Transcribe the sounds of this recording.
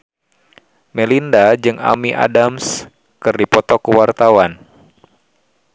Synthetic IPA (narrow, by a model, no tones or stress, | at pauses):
mɛlindad͡ʒɨŋa̰miʔa̰dams | kɨrdipɔt̪ɔkuwart̪awan